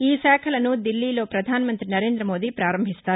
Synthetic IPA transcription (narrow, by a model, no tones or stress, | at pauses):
iːsɛːkʰɐlɐnud̪ilːiːlo̞ːpɾɐd̪ʱaːnɐmɐnt̪ɾinɐɾe̞ːnd̪ɾɐmo̞ːd̪iːpɾaːɾɐmbʱist̪aːɾu